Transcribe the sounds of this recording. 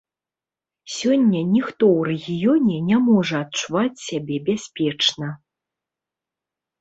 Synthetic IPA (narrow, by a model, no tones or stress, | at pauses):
sʲɔnʲːɐnʲixt̪ɔwrɛɣʲijɔnʲɛnʲamɔʐɐɐtt͡ʂuvat͡sʲsʲabʲɛbʲasʲpʲɛt͡ʂnɐ